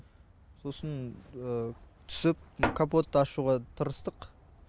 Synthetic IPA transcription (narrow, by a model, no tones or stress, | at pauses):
so̞sənət̪ʰʏ̥sɪp̚kʰapo̞t̪ːəɑʃuʁɑt̪ʰəɾəst̪əq